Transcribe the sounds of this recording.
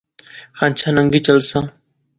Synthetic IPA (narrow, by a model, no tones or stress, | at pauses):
xãːnt͡ʃʰaːnəŋɡit͡ʃəlsãː